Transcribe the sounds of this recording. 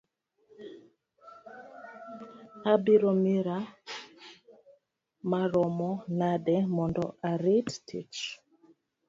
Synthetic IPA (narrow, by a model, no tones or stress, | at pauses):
abiɾɔmiɾa | maɾɔmɔnaɗɛmɔndɔaɾittḭt͡ʃ